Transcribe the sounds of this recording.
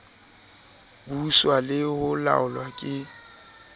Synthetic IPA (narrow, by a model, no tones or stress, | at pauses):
buswalɪhʊla̰ʊlwakʼɪ